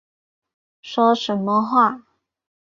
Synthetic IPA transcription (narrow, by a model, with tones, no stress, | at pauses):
ʂwɔ˥ʂə˧˥nmə˧xwa˥˩